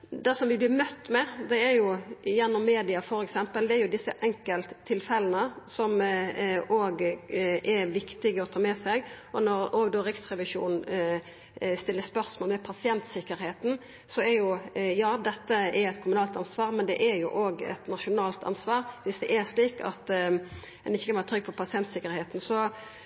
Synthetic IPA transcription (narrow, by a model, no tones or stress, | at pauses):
d̪ɛsɔmʋɪblɪɾmœt̪ːmɛd̪ɛæɾjʊjɛnːɔmːeːd̪ɪɑfɔɾɛksɛmpəld̪ɛæɾjʊd̪ɪsːə̰ʔɛŋkəlt̪ʰːɪlfɛlənəsɔm | oːɡʔɛɾʋɪkt̪ɪɡəɔt̪ʰɑːmɛsɛɡʔɔnɔɾoːɡd̪oːɾɪksɾɛʋɪʂṵːnn̩ | st̪ɪlːəspœʁsmoːlmɛpʰɑsɪɛnt̪sɪkːəɾheːt̪n̩ | sɔɛɾjʊjɑːd̪ɛt̪ːəɛɾɛt̪̚kʰʊmʉnɑːlt̪ɑnsʋɑːʁmɛnd̪ɛ̰ʔæɾjʊ̰ʔoːɡɛ̰t̪nɑʂʊnɑːlt̪ʰɑ̰nsʋɑːʁʋɪsd̪ɛʔɛɾʂliːkɑ̰t̪ | ɛnɪçːəkʰɑnʋɑʁət̪ʰɾʏɡ̚pʰɔpʰɑsɪɛnt̪sɪkəɾheːt̪nsɔ